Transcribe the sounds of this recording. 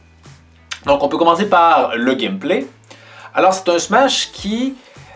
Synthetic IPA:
d̪ɔ̃kɔ̃pøkɔmɑ̃sepaʁləɡʲɛmple | alɔʁse̥t̪ɛ̃smaʃkʲʰi

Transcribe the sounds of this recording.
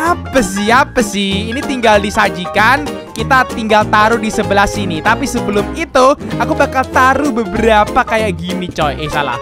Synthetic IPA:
apəsɪapəsɪhinit̪iŋɡaldisad͡ʒikan | kit̪at̪iŋɡalt̪aɾudisəbəlasinit̪apisəbəlʊmit̪uakubakalt̪aɾubəbəɾapakajaʔɡinit͡ʃɔjʔesala̰h

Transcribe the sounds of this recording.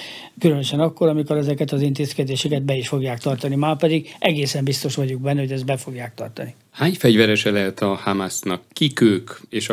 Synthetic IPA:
kylønøʃɛnɒkːo̞ɾɒmiko̞ɾɛzɛkɛt̪ɒzint̪eːskɛd̪eːʃɛkɛd̪̚bɛiʃfo̞ɡjaːkt̪ɒrt̪ɒnimaːrpɛd̪iɡʔɛɡeːsɛmbist̪o̞ʃʋɒɟuɡ̚bɛnːɛɦo̞ɟɛzd̪bɛfo̞ɡjaːk̚t̪ɒ̰rt̪ɒni | haːɲfɛɟvɛɾɛʃɛlɛlt̪ɒhamasnɒkːikøːkeːʃ

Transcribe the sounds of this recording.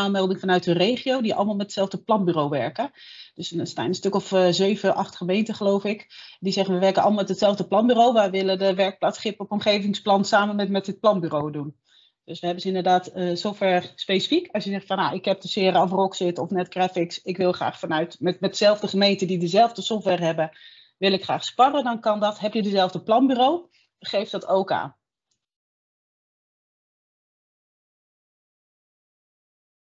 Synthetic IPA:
aːlˠmɛlˠdɪŋfɑnœɥtənreːχiowdiʔɑ̰lˠəmalˠmɛtə̥tsɛlˠvdəplɑnbyːrowʋɛɹkə | d̥øsnsta̰ːnəstøkɔfzeɥvəʔɑχtχəmejntəχəlowfɪkdizɛχənʋəʋɛɹkənʔɑlˠəmalˠmɛtətsɛlˠvdəplɑnbyːrowʋaʋɪlˠədəʋɛɹk̚platχɪpɔpɔmχejvɪŋsplɑnsaːmənmɛtmɛtət̚plɑnbyːrowdun | d̥øsʋəɦɛbənzəɪndərdaːtəzowfɛspejsi̥fikʰɑsjəzɛχtfɑnja̰ʔɪkɦɛp̚dəsɪːərəɔfrɔksɪtɔfnɛtɡrafɪksɪkʋɪlˠχra̰ːχfɑnœɥtmɛtmɛt̚dəzɛlˠvdəχəmejntədidəzɛlˠvdəsɔftʋɛrɦɛbə | ʋɪlˠɪkχraːχspɑrədɑnkɑndɑtɦɛpjədəzɛlˠvdəplɑnbyːrow | χejftdɑtowka̰ːn

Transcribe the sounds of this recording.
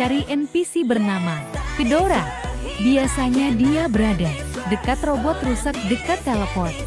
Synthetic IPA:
aɾiʔɛnpisibərnamakədoɾabiasaɲadiabəɾada | dəkat̪rɔbɔt̪̚rusak̚dəkat̪ːaləpɔt̪̚

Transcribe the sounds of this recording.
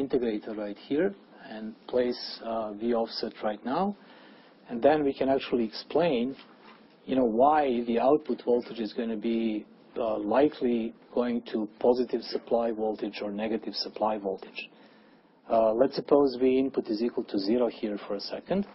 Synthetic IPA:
ɪ̃ntɨɡɹeɪtədɹaɪthiɹ | ɛ̃npʰl̥eɪsviɔfsɛtʰɹaɪtⁿnaʊ | ɛ̃nðɛ̃nwikʰɨ̃næk̚t͡ʃul̩ˠiɛksplẽɪ̃n | jɨnoʊwaɪðiaʊt̚pʊtvɔlˠtɨd͡ʒɨzɡõɪ̃nʰɨbi | laɪkʰliɡ̥oʊɪ̃ŋtʰupʰɔzɪtɪvsəpʰlaɪvɔlˠtɨd͡ʒɔɹnɛɡɨtɪv̥səpʰl̥aɪvɔlˠtɪ̥d͡ʒ | lɛtsəpʰoʊzðiɪ̃npʊtɨzikwəl̩ˠtʰuzɪɾoʊhiɹfəɹəsɛkə̃nd̥

